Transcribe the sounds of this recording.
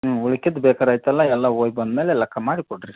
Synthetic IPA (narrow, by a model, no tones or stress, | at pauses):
uɭikːid̪bɛːkaːɾaːjt̪ɐlːɐɛlːaoːjbɐnd̪meːlelɐkʰːɐmaːɽikoɽɾi